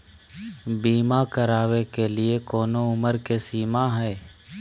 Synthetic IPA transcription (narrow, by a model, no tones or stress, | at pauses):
biːmakəɾaːʋekelɪekoːnoʊməɾkesiːmaɦɛː